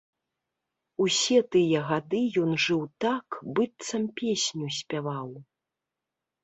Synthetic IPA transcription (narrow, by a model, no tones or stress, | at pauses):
usʲɛt̪ɨjɐɣad̪ɨjɔnʐɨwt̪akbɨt̪sɐmpʲesʲnʲusʲpʲavaw